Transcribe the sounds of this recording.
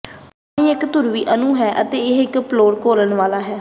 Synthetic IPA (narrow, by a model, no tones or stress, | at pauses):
panĩːɪkt̪ʊɾʋiːʔənũːɦɛːʔət̪eːɪɦɪkploːɾkoːləɳʋaːlaːɦɛː